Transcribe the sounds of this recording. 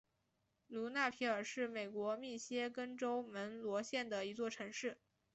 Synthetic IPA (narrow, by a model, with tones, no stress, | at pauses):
lu˧˥na˥˩pʰi˧˥ə˞˨˩ʂɻ̩˥˩me˨˩ɪkwɔ˧˥mi˥˩ɕjɛ˥kə˥nʈ͡ʂo˥ʊmə˧˥nlwɔ˧˥ɕjɛ˥˩nd̪ə˩i˧˥t͡swɔ˥˩ʈ͡ʂʰɤ˧˥ŋʂɻ̩˥˩